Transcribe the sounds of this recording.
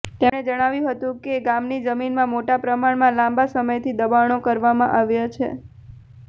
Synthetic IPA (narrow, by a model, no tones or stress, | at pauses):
t̪eɽed͡ʒəɽ̃aʋjũɦət̪ũkeɡamnid͡ʒəminmãmoʈapɾəmaɽmãlãmbasəməjt̪ʰid̪əbaɳ̃okəɾʋamãʔaʋjat͡ʃʰḛ